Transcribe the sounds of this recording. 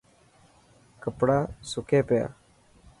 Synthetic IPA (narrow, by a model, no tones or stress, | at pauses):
kəpɽaːsʊkʰeːpja̰ː